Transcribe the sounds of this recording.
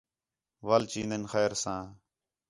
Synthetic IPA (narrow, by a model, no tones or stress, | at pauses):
ʋaːlt͡ʃiːnənxɛːɾsãː